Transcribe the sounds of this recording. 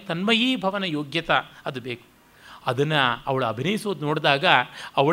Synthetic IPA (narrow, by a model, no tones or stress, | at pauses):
t̪ɐnmɐjiːbʱɐʋɐnɐjoːɡjɐt̪ɐɐd̪ubeːku̥ | ɐd̪ɐnːɐɐʋɐɭuɐbʱinɐjisoːd̪noːɽd̪aːɡɐɐʋɐ